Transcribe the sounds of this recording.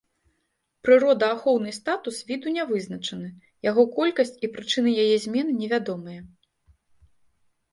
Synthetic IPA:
pɾɨɾɔd̪ɐaxɔwn̪ɨst̪at̪usvʲid̪unʲavɨznɐt͡ʂɐnɨ | jaɣɔkɔlʲkɐsʲt͡sʲipɾɨt͡ʂɨnɨjajɛzʲmʲɛnɨnʲɛvʲad̪ɔmɨjɐ

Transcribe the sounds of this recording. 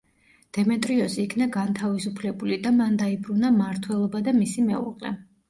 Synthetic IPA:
d̪̥ɛmɛt̪ʼɾiɔsiːkʰnaɡant̪ʰavisupʰlɛbulid̪amand̪aibɾunamaɾt̪ʰwɛlˠɔbad̪amisimɛṵʁʼlɛ̰

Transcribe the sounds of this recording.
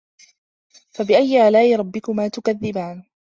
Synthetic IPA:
fabɪʔajːʕalaːʔɪɾˤɑbːɪkʊmaːt̪ʊkaðːɪbaːn

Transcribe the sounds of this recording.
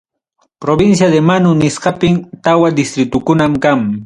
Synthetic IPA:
pɾobɪnsjad̪emanʊnɪsqɑpɪmt̪awad̪ɪst̪ɾɪt̪ʊkʊnamkaŋ

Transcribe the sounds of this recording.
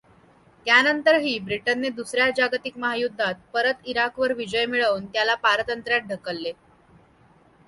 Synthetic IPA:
t̪janənt̪əɾɦiːbɾiʈənːed̪usɾjad͡ʑaɡt̪ikməɦajud̪ʱːat̪̚pəɾət̪iɾakʋəɾʋid͡ʑəjmiɭəʋunt̪jalapaɾət̪ənt̪ɾjat̪̚ɖʱəkəlːe

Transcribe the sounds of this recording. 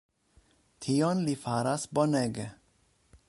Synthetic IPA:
t̪ʰiːɔnlifaːɾasbɔnɛɡə

